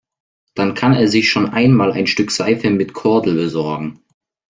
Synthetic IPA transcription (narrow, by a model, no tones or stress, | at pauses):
d̥ankʰaneːɐzɪçʃoːnʔaɪnmaːla̰ɪnʃtʏkz̥aɪfənmɪtkʰɔɐdl̩bəzɔɐɡŋ̩